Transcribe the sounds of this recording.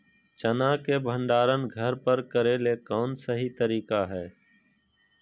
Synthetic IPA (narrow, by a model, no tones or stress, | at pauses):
t͡ʃənãːkebʱə̃ɳɖaːɾənɡʱəɾpəɾkəɾeːlekɔːnsəɦit̪əɾiːkaɦɛː